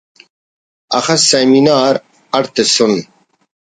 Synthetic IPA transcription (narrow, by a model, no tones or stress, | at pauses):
ɐxɐssːeminaːɾ | ɐɽt̪esun